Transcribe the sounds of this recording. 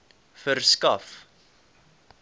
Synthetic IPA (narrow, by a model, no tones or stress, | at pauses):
fərskɐf